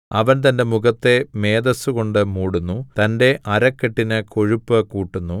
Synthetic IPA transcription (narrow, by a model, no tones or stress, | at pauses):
ɐʋɐnt̪ɐnde̞muɣɐt̪ːe̞me̞ːd̪ɐsuɣo̞ɳɖɨmuːɽunːut̪ɐnde̞ʔɐɾɐkːeʈːinɨko̞ɻupːɨkuːʈːunːu